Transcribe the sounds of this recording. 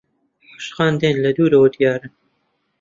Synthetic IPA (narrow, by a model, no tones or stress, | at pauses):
ħḁʃqɑːnd̪eːnlɐd̪uːɾɐwɐd̪ijɑːɾɨn